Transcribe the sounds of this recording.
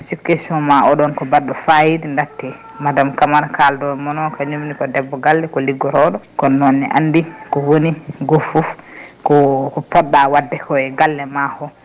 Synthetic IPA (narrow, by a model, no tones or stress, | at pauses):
sikːesɔmaɔɗɔnkɔbadːɔfajidindatːɛ | madamkamaɾkaldɔmɔnɔkaɲumnikɔdɛbːɔɡalːɛkɔliɡːɔɾɔɗɔkɔnːɔnːɛ̰ʔa̰ndikɔwoniɡofufkɔkɔpɔɗːawadːɛkʰɔɛɡalːɛmahɔ